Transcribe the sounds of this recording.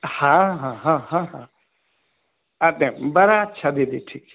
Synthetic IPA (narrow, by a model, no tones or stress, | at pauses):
hãɦãɦãɦãɦã | at̪ɛ̃bɐɾaːtːʃʰad̪ed̪iʈʰiːk